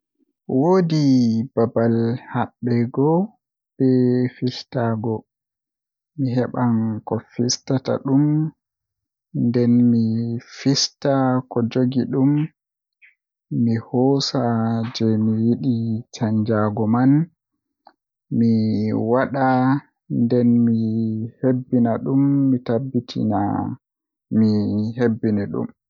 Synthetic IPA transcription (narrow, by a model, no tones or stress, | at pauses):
wodibabalhaɓːɛɡɔ | b̥ɛfistaːɡɔ | miɦɛɓankɔfistata̰ɗum | ndɛnmifistakɔd͡ʒoɡiɗum | ihɔːsad͡ʒɛmiwiɗit͡ʃaɲd͡ʒaɡɔman | miwaɗa | ndɛnmihebːinaɗumːitabːitʰḭna̰ | mihebːinɛɗṵm